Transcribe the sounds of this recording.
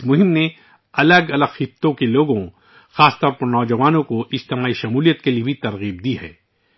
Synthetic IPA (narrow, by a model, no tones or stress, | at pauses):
mʊɦɪmne | ɐləɡɐləɡxɪt̪ːõkeloːɡõ | xaːst̪ɔːɾpɐɾnɔːd͡ʒɐʋaːnõkoʔɪd͡ʒt̪emaːiʃɐmuːlijət̪keliebʱit̪ɐɾɣiːb̚d̪iɦɛ̰ː